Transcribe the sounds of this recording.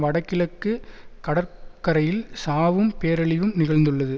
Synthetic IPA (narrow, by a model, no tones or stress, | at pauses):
ʋɐɽɐkːɪɭɐkːɯkɐɽɐɾkɐɾɐjɪlsaːʋɯmpeːɾɐɭɪʋɯmnɪɣɐɭnd̪ɯɭːɐðɯ